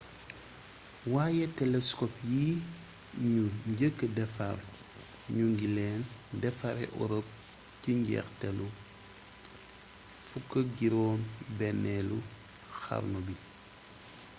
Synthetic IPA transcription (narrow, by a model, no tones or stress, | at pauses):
waːjɛtɛlɛskɔpjiː | ɲuɲɟəkːədɛfar | ɲuŋɡilɛːndɛfaɾɛ̰ʔɔ̰ɾop̚ | ciɲɟɛ̰ːxtɛlu | fukːəɡiɾɔːnbɛnɛlṵ | xa̰ɾnubi